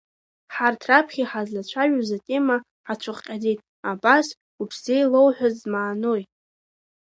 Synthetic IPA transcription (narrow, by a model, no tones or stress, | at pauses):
ħartʰrapʰχʲiħazlat͡ʃʷʰaʒᶣazatʲʼema | ʕat͡ʃʷʰʊχqʲʼaditʼ | abas | upʰzejlo̞wħʷᶣazmaːno̞jt